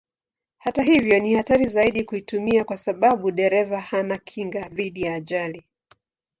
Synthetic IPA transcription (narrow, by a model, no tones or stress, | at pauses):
hataɦivjɔnihataɾizaiɗikuitumiakwasaɓaɓuɗɛɾɛvahanakʰiŋɡaðiɗijaːʄali